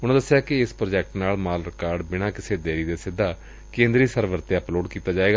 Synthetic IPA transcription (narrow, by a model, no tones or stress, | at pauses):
ʊnãːd̪əsːɪjaːkɪɪspɾoːd͡ʒɛːk̚ʈnaːlmaːlɾɪkaːɾɖbɪnãːkɪseːd̪eːɾiːd̪eːsɪd̪ːaː | kẽːnd̪ɾiːsəɾʋəɾt̪eːəploːɖkiːt̪aːd͡ʒaːeːɡaː